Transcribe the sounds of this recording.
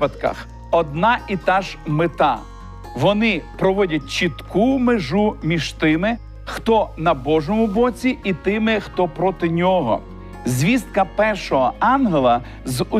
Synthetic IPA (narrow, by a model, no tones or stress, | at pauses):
pɐt̪kɐ̰x | ɔd̪̚nɑʔit̪ɑʒmɪt̪ɑ | ʋɔnɪpɾɔʋɔdʲɐt̚ʲt͡ʃit̪kumeʒumʲiʒt̪ɪmɪ | xt̪ɔnɐbɔʒɔmʊbɔt͡sʲiʔit̪ɪmɪxt̪ɔpɾɔt̪ɪnʲɔɦɔ̰ | zʲʋʲist̪̚kɐpɛrʃɔɦɔɑnɦelˠɐ | zʊ